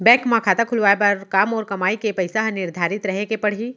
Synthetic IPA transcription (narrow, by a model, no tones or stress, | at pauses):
bɛ̃ːkmãkʰaːt̪akʰʊlʋaːepɐɾkaːmɔːɾkɐmaːikepɐɪsaɦnɪɾd̪ʱaːɾɪt̪ɾɐɦekepɐɽ̤iː